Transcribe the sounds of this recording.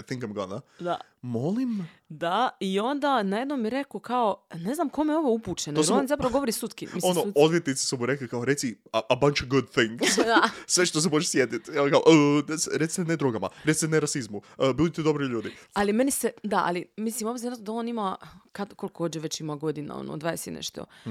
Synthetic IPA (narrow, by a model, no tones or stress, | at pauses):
ajθĩŋkajmɡonad̪a | molim | d̪aio̞nd̪anajed̪nomːiɾe̞kokaone̞znamko̞meo̞ʋoupuːt͡ʃenoonzapɾaʋoɡo̞ʋoɾisut̪kḭmisonood̪ʋjet̪nit̪i̥somuɾeklikaoɾe̞t̪siabant͡ʃaɡud̪θĩŋɡssʋeʃt̪os̬emot͡ʃesjet̪it̪ɛkaoʔəesɾet̪sit̪ened̪ɾoɡama̰ɾei̥t̪neɾasizmubilit̪ed̪o̞bɾiʎuːd̪ialime̞nised̪aʔa̰limislimobziɾnat̪od̪ao̞ːnimakad̪kolikʰo̞d͡ʑeʋe̞t͡ɕimaɡo̞d̪ina̰o̰no̰d̪ʋajesḭnḛʃt̪o̞̰